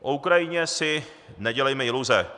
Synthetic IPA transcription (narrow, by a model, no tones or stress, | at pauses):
ʔoukɾajɪɲɛsɪ | nɛɟɛlɛjmɛɪluzɛ